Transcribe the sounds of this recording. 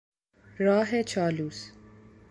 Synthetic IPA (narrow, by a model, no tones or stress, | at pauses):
ɾaːɦet͡ʃʰaːluːs